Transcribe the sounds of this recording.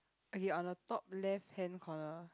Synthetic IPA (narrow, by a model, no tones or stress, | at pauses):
əɡẽnɔ̃ndətɔp̚lɛfhɛ̃nkʰɔnə